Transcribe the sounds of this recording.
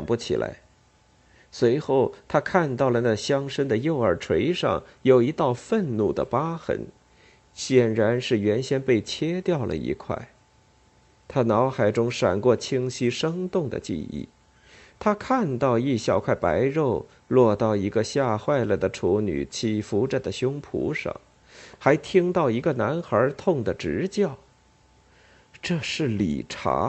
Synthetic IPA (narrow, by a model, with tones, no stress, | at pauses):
ɑ˨ŋpu˥t͡ɕʰḭ˨˩lʔa̰˧˥ɪ | swe˧˥ɪxo˥˩ʊt̪ʰa˥kʰa˥˧nt̪ɑ˥˩ʊlə˩na˥˧˩ɕjɑ˥ŋʂə˥nd̪ə˨jo˥˩ʊə˞˨˩ʈ͡ʂʰwe˧˥ɪʂɑ̰˥˩ŋjo˨˩ʊi˧˥t̪ɑ˥˧ʊfə˥˧nnu˥˩d̪ə̰˩pa˥xə̰˧˥n | ɕjɛ˨˩nɻa˧˥nʂɻ̩˥˩ɥɛ˧˥nɕjɛ˥npe˥˩ɪt͡ɕʰjɛ˥t̪jɑ˥˩ʊlʔə̰˩ḭ˧˥kʰwa̰˥˩ɪ | t̪ʰa˥nɑ˧˥ʊxa˨˩ɪʈ͡ʂʊ˥ŋʂa̰˨˩nkwɔ˥˩t͡ɕʰi˥ŋɕi˥ʂɤ˥ŋt̪ʊ˥˩ŋd̪ə̰˩t͡ɕḭ˥˧ḭ˥˩ | t̪ʰa˥kʰa˥˧nt̪ɑ˥˧ʊi˥˧ɕjɑ˥˧ʊkʰwa˥˩ɪpa̰˧˥ɪɻo˥˧ʊ | lwɔ˥˧t̪ɑ˥˩ʊi˧˥ɡə˧ɕja˥˧xwa˥˩ɪlə˩d̪ə˩ʈ͡ʂʰu˧˥ny̰˨˩t͡ɕʰi˥˩fu˧˥ʈ͡ʂə˨˩d̪ə˩ɕjʊ˥ŋpʰṵ˧˥ʂɤ̰˨˩ŋ | xa˧˥ɪt̪ʰi˥ŋt̪ɑ˥˩ʊi˧˥ɡə˧na˧˥nxə˞˧˥t̪ʰʊ˥˩ŋd̪ə˩ʈ͡ʂɻ̩˧˥t͡ɕjɑ˥˩ʊ | ʈ͡ʂɤ˥˧ʂɻ̩˥˩lḭ˨˩ʈ͡ʂʰa̰˧˥